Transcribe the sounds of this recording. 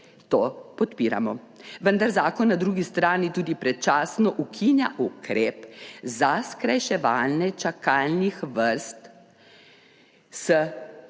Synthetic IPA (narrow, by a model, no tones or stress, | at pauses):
t̪oːpɔt̪piːɾa̰mɔ | ʋənd̪aɾzaːkɔnːad̪ɾuːɡist̪ɾaːnit̪uːd̪ipɾɛt͡ʃaːsnɔʔukʰinja̰ʔukɾeːpzaskɾajʃɛʋaːlnɛt͡ʃakaːlnixʋəɾst̪ | sə